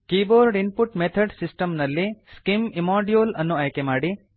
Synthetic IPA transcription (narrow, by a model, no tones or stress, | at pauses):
kiːboːɾɖinpuʈmet̪ʰɐɖsisʈɐmnɐlːiskimimaːɖijoːlɐnːuɐjkemaːɽi